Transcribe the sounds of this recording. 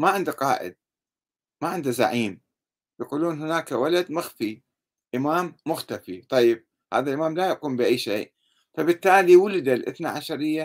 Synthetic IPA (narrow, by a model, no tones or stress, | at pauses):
maʕɪnd̪aqɑːʔɪ̰d̪̚ | maʕɪnd̪aza̰ʕiːm | jaquːluːnɦɪnaːkawalad̪maxfi | ʔɪmaːmːʊxt̪afit̪ˤɑjːɪb̚ | haːðalʔɪmaːmlajaʔquːmbɪʔajːʃeːʔ | fabɪt̪ːaːliwʊlɪd̪alʔɪ̰θna̰ʕaʃɑɾɪjːa